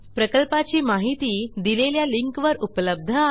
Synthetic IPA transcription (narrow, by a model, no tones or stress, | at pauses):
pɾəkəlpat͡ɕiːmaɦit̪iːd̪ileljaliŋkʋəɾupləb̚d̪ʱə